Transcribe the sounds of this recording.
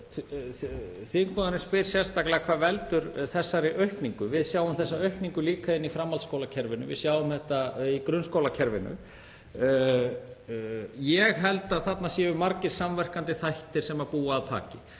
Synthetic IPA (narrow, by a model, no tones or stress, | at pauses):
θiŋkmɔðaɾɪnspɪɾ̥sjɛnst̪aklɛɣakʰvaːðvɛlt̪ʏɾθɛsːaɾɪʔœɥhpniŋkʏvɪðsjaːwvʏmθɛsːaœɥhpniŋkʏliːkaɪnːifɾamːalskoːwlacʰɛɾvɪnʏ̰vɪ̰ðsjaːwʏmθɛht̪aikɾʏnskowlacʰɛɾvɪnʏ̰ | jɛɣɦɛlt̪aðθat̪nasjɛːvʏmaɾcɪɾ̥samvɛr̥kant̪ɪθajht̪ɪɾ̥sɛmapuːaːðt̪ʰa̰ːcɪ